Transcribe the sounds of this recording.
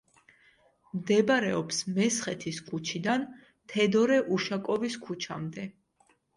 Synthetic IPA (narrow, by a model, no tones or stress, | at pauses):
md̪ɛbaɾɛɔpsmɛsχɛt̪ʰiskʰut͡ʃʰid̪an | t̪ʰɛd̪ɔɾɛʔuʃakʼɔviskʰut͡ʃʰamd̪ɛ